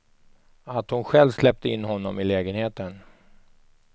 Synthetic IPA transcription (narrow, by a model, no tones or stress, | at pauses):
at̪hʊnɧɛlvslɛp̚t̪əɪnːɦɔnːɔmɪlɛːɡənheːt̪ən